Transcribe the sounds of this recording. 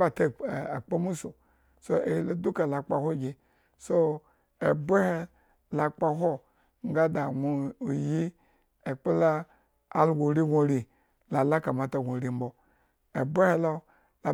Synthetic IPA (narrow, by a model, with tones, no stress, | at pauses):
ba˨te˦˨a˨k͡po˦mu˦so˨ | so˦e˨˦lo˨du˦ka˨la˨k͡pa˨ho˦˨ɡʲi˨ | so˦ | e˨be˦he˦ | la˨k͡pa˨ɦo˦ | ŋ˦ɡa˦da˨ɡʷo˦˨ji˦ | e˨k͡po˦laː˦˨˦ | lɡo˨ɾi˦ɡʷo˦˨ɾi˨ | la˨la˦ka˨ma˨ta˨ɡʷo˨ɾi˨m̩˦bo˨ | e˨be˦he˦lo˦ | la˨